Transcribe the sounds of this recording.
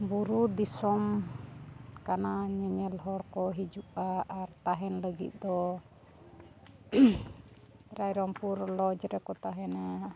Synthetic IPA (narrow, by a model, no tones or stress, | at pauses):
buɾud̪isɔm | kanaɲɛɲɛlɦɔɽkɔɦid͡ʒuʔaʔaɾt̪aɦɛnləɡḭt̪̚d̪ɔ | ɾajɾɔmpuɾlɔd͡ʒɾɛkɔt̪aɦɛna